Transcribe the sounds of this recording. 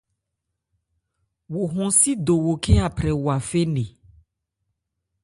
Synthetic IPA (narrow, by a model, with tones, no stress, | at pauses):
wo˨ɦɔ̃˨si˦d̪o˨wo˨ke˦a˨pɾɛ˨wo˨a˨fe˦ne˨